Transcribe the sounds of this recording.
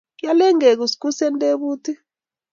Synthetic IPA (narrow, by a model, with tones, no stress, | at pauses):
ja˦lɛ˦ŋe˨k̬u˨sku˦sɛ˦ntʼe˦ɓuː˦tʰi˦